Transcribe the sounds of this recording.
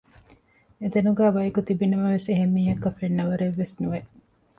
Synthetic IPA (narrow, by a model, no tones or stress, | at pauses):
et̪enuɡæːbɐikut̪ibinɐmɐʋeseɦemːiːɦɐkːɐfeɳːɐʋɐɾeʋːesnuʋeʔ